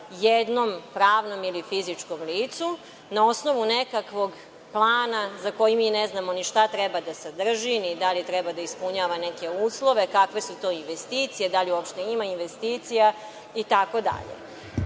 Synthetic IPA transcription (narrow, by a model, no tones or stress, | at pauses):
jed̪nompɾaːʋno̞milifizit͡ʂko̞mliːt̪su | naosno̞ʋunekakʋo̞ɡ | plˠaːnazako̞jimineznamo̞niʃt̪at̪ɾebad̪asad̪r̩ʒinid̪alit̪ɾɛbad̪aispuɲaːʋane̞ke̞uːslˠo̞ʋe̞kakʋe̞sut̪o̞ːinʋest̪iːt̪sije̞d̪aliuopʃt̪e̞imainʋest̪iːt̪sija | it̪ako̞d̪a̰ʎḛ